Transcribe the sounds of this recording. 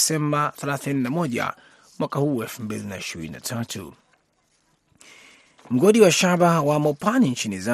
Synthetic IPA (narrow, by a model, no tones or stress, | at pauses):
sɛmbaθalaθininamɔʄa̰ | mwakahuːwɛlfumbilinaiʃiɾḭnina̰tʰatʰṵ | m̩ɡɔɗiwaʃaɓawamɔpanint͡ʃiniza